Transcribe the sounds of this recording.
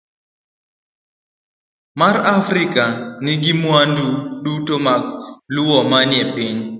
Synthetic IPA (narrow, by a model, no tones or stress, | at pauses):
maɾafɾikanɪɡɪmwanduɗutomaklʊwɔmanjɛpɪɲ